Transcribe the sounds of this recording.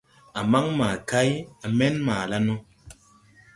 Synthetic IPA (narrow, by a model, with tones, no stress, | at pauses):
a˨ma˦ŋmaː˨ka˦ja˨mɛ˦nmaː˨la˦nɔ˦